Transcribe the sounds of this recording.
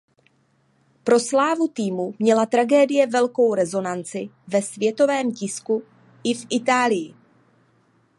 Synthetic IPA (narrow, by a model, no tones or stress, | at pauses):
pɾo̞slaːvut̪iːmumɲɛlat̪ɾaɡɛːdɪjɛvɛlko̞wɾɛzo̞nant͡sɪ | vɛsvjɛt̪o̞vɛːmcɪsku | ɪfʔɪt̪aːlɪjɪ